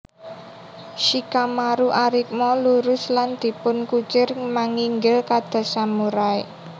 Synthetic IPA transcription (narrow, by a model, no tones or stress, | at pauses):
ʃikamaɾuʔaɾik̚mɔluɾʊsland̪̥i̤pʊnkut͡ʃɪrmaŋiŋɡɪlkad̪̥a̤samuɾae